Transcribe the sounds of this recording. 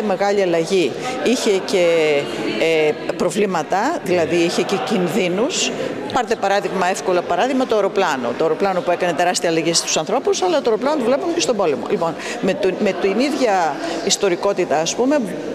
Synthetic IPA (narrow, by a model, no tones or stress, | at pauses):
eme̞ɣɐʎiɐlɐʝiiçe̞ce̞ | pɾo̞vlimɐt̪ɐðilɐðiiçe̞ce̞cinðinus | pɐɾt̪epɐɾɐðiɣmɐe̞fko̞lɐpɐɾɐðiɣmɐt̪ooɾo̞plɐno̞̰t̪ooɾo̞plɐno̞pue̞kɐne̞t̪e̞ɾɐst̪iɐːlɐʝist̪u̥sɐnθɾo̞pusɐlɐt̪oɾo̞plɐnot̪uvle̞punce̞st̪obo̞le̞mo̞̰lipo̞n | met̪met̪iniðʝɐist̪o̞ɾiko̞t̪it̪ɐːspume̞